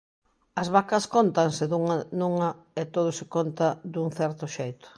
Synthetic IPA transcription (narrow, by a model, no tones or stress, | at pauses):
ɐzβakɐskont̪ansɪðuŋanuŋɐ | ɪt̪oð̞ʊsɪkont̪ɐd̪uŋθɛɾt̪ʊʃejt̪ʊ̥